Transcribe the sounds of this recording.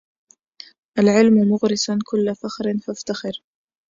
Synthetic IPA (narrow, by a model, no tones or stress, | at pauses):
ʔalʕɪlmmʊɣɾɪsankʊlːafaxɾɪnfaft̪axɪɾ